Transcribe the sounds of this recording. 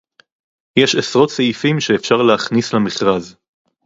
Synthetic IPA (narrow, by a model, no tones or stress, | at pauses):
jeʃesʁo̞tseifimʃeːfʃaʁleaχnislamiχʁaz